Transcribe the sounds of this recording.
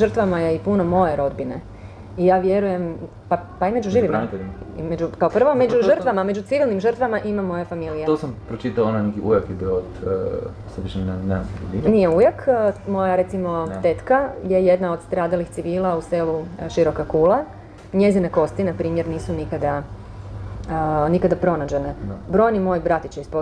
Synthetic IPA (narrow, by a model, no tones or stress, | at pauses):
ʒər̩t̪ʋamaje̞ipuno̞mo̞je̞ɾo̞d̪bine̞̰ | ijaːʋje̞ɾuje̞m | papaime̞d͡ʒuʒiʋimmaimed͡ʒukaopr̩ʋomed͡ʒuʒər̩t̪ʋamame̞d͡ʑut̪siʋilˠnimʒər̩t̪ʋamaʔimamːo̞jefamilijeosampɾot͡ʃit̪aoonajnekiujakjebiood̪ | seʋiʃneneamd̪inijeujakmo̞jaɾe̞t̪simo̞t̪et̪kajeje̞d̪nao̞d̪st̪ɾaːd̪alixtsiʋiːlˠauseluʃiɾo̞kakuːla | ɲe̞zineko̞st̪inapɾiːmjeɾniːsunikad̪a | nikad̪apɾo̞nad͡ʑe̞nebɾo̞jnimo̞jbɾat̪it͡ɕeispo